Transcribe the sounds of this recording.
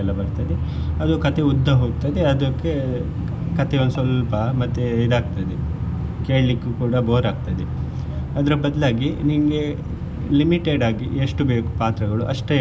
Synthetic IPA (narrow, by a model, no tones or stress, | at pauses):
ɛlːɐbɐɾt̪ad̪e | ɐd̪ukɐt̪ʰeud̪ʱːɐɦoːɡ̚t̪ad̪eɐd̪ɐkːe | kɐt̪ʰeond̪sɐlpɐmɐt̪ːejid̪aːɡ̚t̪ad̪e | keːɭlikːukuːɽɐboːɾaːɡ̚t̪ad̪e | ɐd̪ɐɾɐbɐd̪laːɡiniŋɡe̞ | limiʈeɖaːɡieʂʈubeːku̥paːt̪ɾɐɡɐɭuʔɐʂʈe